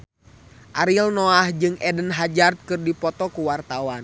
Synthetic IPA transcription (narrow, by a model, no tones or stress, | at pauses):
ʔaɾilnɔahd͡ʒɨŋɛdənɦad͡ʒart̪̚kɨrdipɔt̪ɔkuwart̪awan